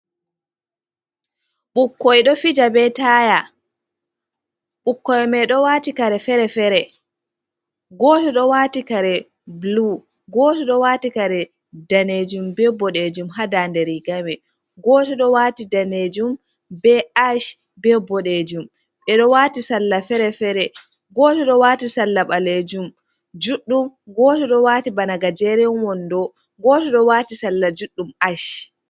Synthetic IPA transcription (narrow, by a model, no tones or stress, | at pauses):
ɓukːɔjɗɔfid͡ʒabɛtaːja | ɓukːɔjmɛɗɔwaːtikaɾɛfɛɾɛfɛɾɛ | ɡɔːtɔɗɔwaːtikaɾɛ | blu | ɡɔːtɔɗɔwaːtikaɾɛ | daned͡ʒumbɛbɔɗed͡ʒumɦadandɛɾiɡawɛ | ɡɔːtɔɗɔwatidaned͡ʒum | bɛaʃ | bɛbɔɗed͡ʒum | ɓɛɗɔwaːtisalːafɛɾɛfɛɾɛ | ɡɔːtɔɗɔwaːtisalːaɓaled͡ʒum | d͡ʒuɗːumɡɔːtɔɗɔwaːtibanaɡad͡ʒɛɾɛwɔndɔ | ɡɔtɔɗɔwaːtisalːad͡ʒuɗːumaʃ